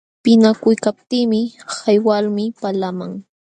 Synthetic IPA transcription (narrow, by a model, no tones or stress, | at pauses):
pɪnakʊjkap̚t̪iːmɪhajwalmɪpalamaŋ